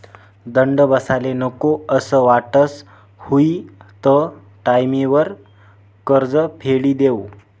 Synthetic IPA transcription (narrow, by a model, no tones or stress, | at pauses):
d̪əɳɖəbəsalenəkoəsəʋaʈəs | huit̪ə | ʈajmiʋəɾ | kəɾd͡zəpʰeɭiːd̪ew